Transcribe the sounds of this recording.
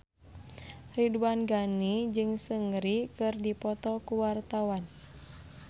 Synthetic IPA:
riduanɡanid͡ʒɨŋsəŋɾikɨrdipɔt̪ɔkuwart̪awan

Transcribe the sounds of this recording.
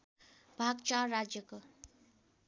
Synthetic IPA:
bʱaɡt͡ʃaɾad͡ʒjʌko

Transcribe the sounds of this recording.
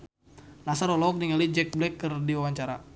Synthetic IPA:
lasaɾɔlɔɔk̚niŋalid͡ʒɛk̚blɛkːərdiwawaɲt͡ʃaɾa

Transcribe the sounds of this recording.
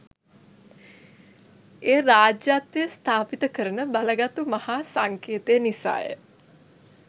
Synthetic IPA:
eːɾaːd͡ʒjat̪ʋeəst̪ʰaːpit̪əkəɾənəbaləɡat̪umahaːsaŋkeːt̪ejənisa̰ːjə̰

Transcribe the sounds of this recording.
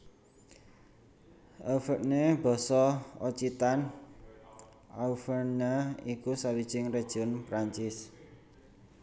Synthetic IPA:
ʔəfəʔ̚neb̥ɔ̤sɔot͡ʃit̪an | ʔaufərnaikusawid̥ʒ̥ɪŋred̥ʒ̥ʊnpɾaɲt͡ʃɪs

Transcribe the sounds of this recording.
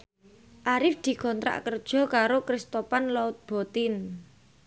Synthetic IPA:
ʔaɾɪfd̪̥i̤kɔnt̪ɾa̰ʔkərd̥ʒ̥ɔ̤kaɾokɾɪst̪opanlɔʊt̪̚b̥ɔ̤t̪ɪn

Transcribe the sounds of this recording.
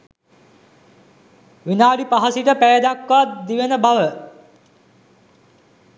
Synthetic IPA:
ʋinaːlipaɦasiʈəpæjəd̪akʋat̪d̪iʋenəbaʋə

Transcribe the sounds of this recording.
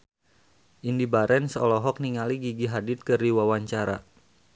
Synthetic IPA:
ʔindibaɾɛnsɔlɔɦɔk̚niŋaliɡiɡiɦadɪt̪̚kɨrdiwawaɲt͡ʃaɾa̰

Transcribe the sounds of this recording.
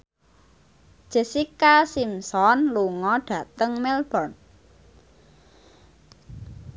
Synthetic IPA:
ʒ̥e̤sikasimsɔnluŋɔɖ̥ä̤t̪əŋmɛlb̥ɔrn

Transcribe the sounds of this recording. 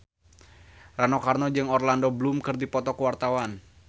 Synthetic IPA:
ranɔkarnɔd͡ʒɨŋɔrlandoblumkɨrdipɔt̪ɔkəwart̪awan

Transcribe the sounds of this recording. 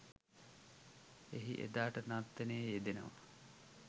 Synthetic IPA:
eɦḭʔḛd̪aːʈənat̪ːeneːjed̪enə̰ʋə̰

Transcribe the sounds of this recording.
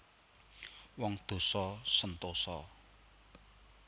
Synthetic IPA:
wɔŋd̪̥o̤sɔsənt̪osɔ

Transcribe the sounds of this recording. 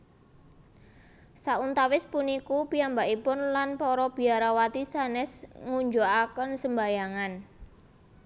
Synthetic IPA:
saʔunt̪awɪspunikupiambaʔipʊnlanpɔɾɔb̥i̤aɾawat̪isanɛsŋuɲd͡ʒoakənsəmbajaŋan

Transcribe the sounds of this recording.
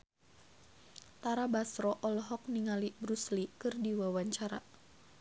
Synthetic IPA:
t̪aɾabasɾɔʔɔlɔɦɔk̚niŋalibɾuslikɨrdiwawaɲt͡ʃaɾa

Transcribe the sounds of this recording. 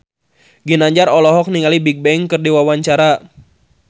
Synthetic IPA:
ɡinaɲd͡ʒaɾɔlɔɦɔk̚niŋalibik̚bɛŋkɨrdiwawaɲt͡ʃaɾa

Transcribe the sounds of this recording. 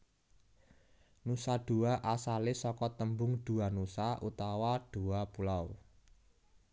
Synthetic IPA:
nusaɖ̥ṳaʔasalɪsɔkɔt̪əmbʊŋɖ̥uanusaʔut̪awaɖ̥uapulaw

